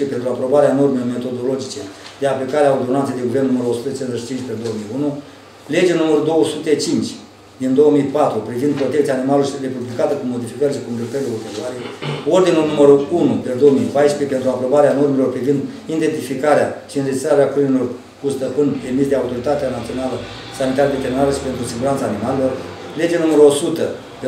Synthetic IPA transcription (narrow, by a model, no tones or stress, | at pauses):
pepe̞nt̪ɾuapɾo̞baɾeano̞rmelorme̞t̪o̞d̪o̞lo̞d͡ʒit͡ʃed̪eaplikaɾeaod̪onant̪sejd̪eɡuvennuməɾuosut̪et͡ʃenzet͡ʃi̥t͡ʃint͡ʃʲpeld̪o̞omijunu | le̞d͡ʒenuməɾud̪o̞wəsut̪e̞t͡ʃint͡ʃʲ | d̪ind̪o̞womijpat̪ɾupɾivind̪pɾo̞t̪ekt̪siaːnimalosɾe̞publikat̪əkumo̞d̪ifikəɾʃikund̪ɾet̪əɾleot̪evaɾeo̞rd̪inulnuməɾuunud̪ed̪o̞womijpajʃpɾepet̪ɾuapɾo̞baɾeano̞rmelo̞rpɾivind̪ | ind̪e̞nt̪ifikaɾeaʃiɨnred͡ʒist̪ɾaɾeakunilo̞r | kust̪əpɨnd̪e̞misd̪eaut̪o̞ɾit̪at̪eanat̪sio̞nalə | sanit̪aɾed̪e̞t̪eminaɾeʃi̥pe̞nt̪ɾusiɡuɾant̪saːnimalelo̞r | le̞d͡ʒe̞numəɾuo̞sut̪ə | d̪e